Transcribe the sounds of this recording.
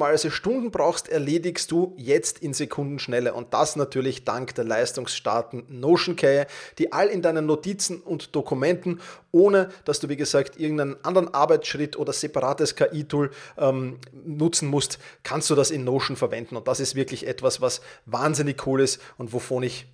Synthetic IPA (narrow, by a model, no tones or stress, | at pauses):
masəʃtʊ̃ndn̩bʁaʊxstɛɐleːdɪçst̚d̥uːjɛt͡stɪnzekʰʊ̃ndn̩ʃnɛləʔʊ̰nt̚d̥asnatʰyːɐlɪçd̥aŋkd̥ɛːɐlaɪstʊŋsʃta̰ɐtn̩noːʃn̩kʰɛəd̥iːʔalɪndaɪnənːotiːt͡sn̩ʊntd̥okʰʊmɛ̃ntn̩ʔoːnəd̥asd̥uːviːɡəzaːktʔɪɐɡŋ̩tæɪnənʔãndəʁənʔaɐbæɪt͡sʃʁ̥ɪtʔoːdɐz̥epaʁaːtəskʰaʔiːtʰuːlʔɛmnʊt͡sn̩mʊstkʰanst̚d̥uːdasɪnːoːʃn̩fɛɐvɛndn̩ʊ̃nt̚d̥asɪstv̥ɪɐklɪçʔɛtvasvasvaːnzɪnɪçkʰuːlɪstʊ̃ntvofoːnɪç